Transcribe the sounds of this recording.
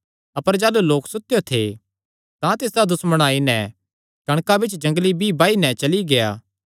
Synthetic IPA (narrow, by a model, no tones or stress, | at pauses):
ɐpəɾd͡ʒaːluloːksʊt̪ːjot̪ʰḛ | t̪ãt̪ɪːsd̪ad̪ʊsməɽ̃aːinɛ | kɐɽ̃kabɪt͡ʃd͡ʒɐ̃ŋɡlibʱibaːinɛt͡ʃɐliɡeja̰ː